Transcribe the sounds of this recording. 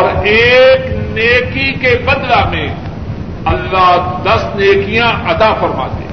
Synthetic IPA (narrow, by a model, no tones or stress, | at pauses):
ɔːɾeːkneːkikebɐ̃nd̪lamẽ | ɐlːaːɦd̪ɐsneːkijãʔɐd̪aːfɐɾma̰ːt̪ḛː